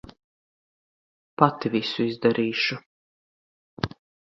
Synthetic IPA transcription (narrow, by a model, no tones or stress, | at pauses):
pat̪ivisuizd̪aɾiːʃu